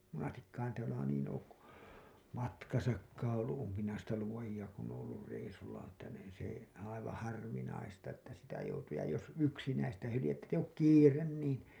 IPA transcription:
monɑstikːɑːn tæːlæ niːn oːk ku mɑtkɑsɑkːɑːɑ̃ olːu ʔumpinɑistɑ luojiɑ kun oːõ olːur reisulːɑ n etːæ niːn se ɑiʋɑ̃ː hɑrʋinɑistɑ etːæ sitæ joutuː jɑ jos yksinæistæ hylijetːæ tːæ eij oːk kiːren niːn

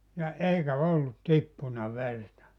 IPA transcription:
jɑ eikæ olːut tipːunɑ ʋertɑ

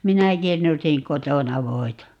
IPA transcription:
minæ kirnusiŋ kotonɑ ʋoi̯tɑ

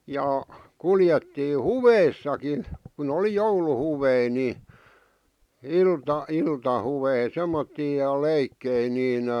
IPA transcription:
jɑ kuljetːiː huʋeisːɑkin̞ kun oli jouluhuʋei ni iltɑ iltɑhuʋei semːotːiː jɑ leikːei niːn

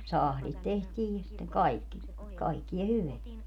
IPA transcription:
sɑhlit tehtiːj jɑ sitːeŋ kɑikːi kɑikːiɑ hyʋeæ

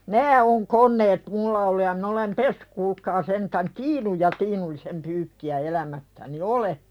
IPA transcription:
næː on konˑeːt mulːɑ olːu jɑ min olem pesːẙk kuːlkɑː sentæn tiːnuj jɑ tiːnulːisem pyːkːiæ elæmæsːæni ole

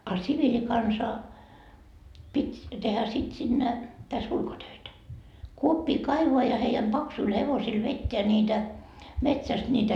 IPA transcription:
ɑ siʋilikɑnsɑ pitʲ tehæ sit sinːe tæs ulkotøitæ kuopːiː kɑiʋoɑ jɑ heijæm b̥ɑksuil heʋosil ʋetːeæ nʲiːtæ metsæst nʲiːtæ

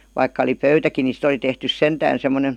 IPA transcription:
ʋɑikːɑ oli pøytæki ni sit oli tehtys sentæːn semːonen̞

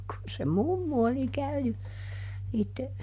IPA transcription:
kun se mumːu oli kæyny niːtːe

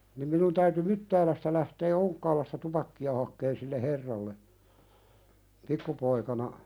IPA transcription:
nim minun tæyty mytːæːlæstæ læhteː oŋkːɑːlɑstɑ tupɑkːiɑ hɑkːeːn silːe herːɑlːe pikːupoikɑnɑ

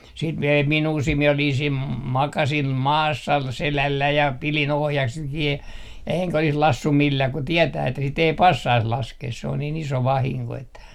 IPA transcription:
siːt mi ei minuː siːn mie olin siːm m mɑkɑsim mɑːsːɑ selælːæi jɑ pilin ohjɑkset kiː eŋkæ olis lɑsːum milːæː ku tietæː etːæ sit ei pɑsːɑis lɑskeːs se on niːn iso ʋɑhiŋko etːæ

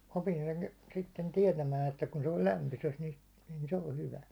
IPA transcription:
opin sen sitːen tiɛtæmæːn etːæ kun se on̞ læmpyses ni nin se o hyʋæ

